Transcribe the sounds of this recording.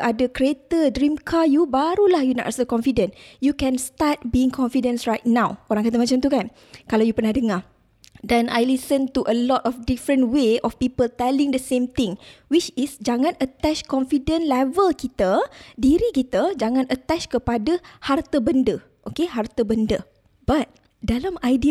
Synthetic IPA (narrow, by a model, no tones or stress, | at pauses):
ʔadəkɾiet̪ədɾimkʰajubaɾulahjuna̰ʔsəlkɔ̃nfidə̃njukɛ̃nst̪at̪̚biĩŋkʰɔ̃nfidə̃nsrajt̚nãwoɾaŋkat̪̬amat͡ʃamt̪ukan | kalawjupərnahdəŋa | dana̰jlisənt̪uʔəlɔtɔfdifɾə̃nweɔfpipəlt̪ɛlĩŋdəsẽmt̪ɪ̃ŋwit͡ʃisd͡ʒaŋãnət̪ɛt͡ʃkɔ̃nfidə̃nlɛvəlkit̪ədiɾikit̪əd͡ʒaŋãnʔət̪ɛt͡ʃkəpadəhart̪əbəndə | ʔokeɦart̪əbəndə | b̥at̪̚ | dalamajdi